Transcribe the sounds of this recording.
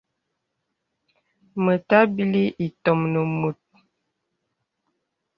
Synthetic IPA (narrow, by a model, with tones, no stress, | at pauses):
mə˨ta˦bi˦li˦ʔi˨tɔ˨mnə˨mu˨t̚